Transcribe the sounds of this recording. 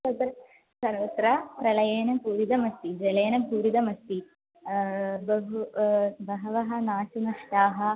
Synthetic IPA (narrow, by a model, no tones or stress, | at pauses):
sɐd̪ɾɐ | sɐɾʋɐt̪ɾɐpɾɐlɐjeːnɐpuːɾid̪ɐmɐst̪id͡ʒɐleːnɐbʱuːɾid̪ɐmɐst̪i | bɐɦubɐɦɐʋɐɦɐnaːʃunɐʂʈaːɦɐ